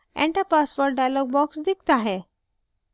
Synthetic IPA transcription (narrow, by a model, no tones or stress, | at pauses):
ɛ̰̃ɳʈapaspoɾʈɖajlɔɡ̚bɔksd̪ik̚t̪aɦe